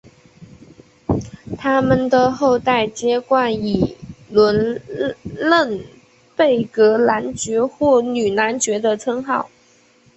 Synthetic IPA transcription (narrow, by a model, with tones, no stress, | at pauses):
t̪ʰa˥mə˨nd̪ə˨xo˥˧ʊt̪a˥˩ɪt͡ɕjɛ˥kwa˥˩ni˨˩lwə˧˥n | lə˥˩n | pe˥˩ɪkɤ˧˥la˧˥nt͡ɕɥɛ˧˥xwɔ˥˩ny˨˩na˧˥nt͡ɕɥɛ˧˥d̪ə˧t͡sʰɤ˥ŋxɑ˥˩ʊ